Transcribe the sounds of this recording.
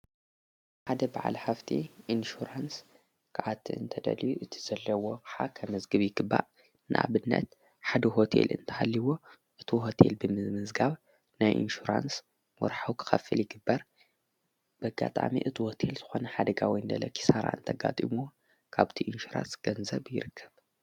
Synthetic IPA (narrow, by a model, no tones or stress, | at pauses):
ħad̪ɐbaʕa̰lħaft̪ʰḭʔinʃuɾans | kʰaʕat̪ʰːiɨ̰nt̪ʰɐd̪ɐ̰liuʔɨt̪ʰi̥z̥ɐlːɐwo̞kʰɨħa̰kʰɐmɐzɡɨβjɪɡɨbːa̰ʔ | nɨ̰ʔa̰βɨnːɐ̰t̪ | ħad̪ɐɦo̞t̪ʰe̞̰lɨ̰nt̪ʰɐhalːiwo | ʔɨt̪ʰiɦo̞t̪ʰḛlbɨmɨzmɨzɡaβ | najʔḭnʃuɾa̰ns | wɔ̰ɾħawkʰɨ̥xɐfɨljɪɡɨbːɐɾ | b̥ɐɡat̪ʼa̰mḭʔɨt̪ʰiho̞t̪ʰe̞lz̥ɨxo̞nɐħad̪ɐɡawijnd̪ɐ̰lɐ̰kʰi̥saɾa̰ɨ̰nt̪ʰɐɡa̰t̪ʼimu | kʰaβt̪ʰiʔinʃuɾa̰nsɡ̥ɐnzɐβjɪ̰ɾɨkʰːɐβ